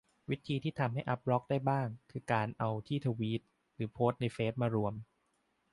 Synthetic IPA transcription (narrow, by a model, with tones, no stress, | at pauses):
wi˦˥t̪ʰiː˧t̪ʰiː˥˩t̪ʰa˧mhɦa˥˩jʔa˦˥p̚ɾɔ˦˥k̚daː˥˩jbaː˥˩ŋkʰɯː˧kaː˧nʔa˧wt̪ʰiː˥˩t̪ʰa˧wiː˦˥t̪̚ | ɾɯː˩˦pʰoː˦˥t̪̚na˧jfeː˦˥t̪̚maː˧ɾu˧əm